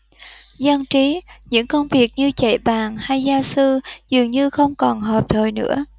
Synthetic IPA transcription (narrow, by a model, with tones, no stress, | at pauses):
zə˧nt͡ɕi˨˦ɲɨ̰˧˥ŋkə˧wŋ͡mvi˨˩ək̚ɲɨ˧t͡ɕa̰˧˩jɓaː˨˩ŋha˧jzaː˧sɨ˧zɨ˨˩əŋɲɨ˧xə˧wŋ͡mkɔ˨˩nɦəː˨˩p̚t̪ʰəː˨˩jnɨ̰˧˥ə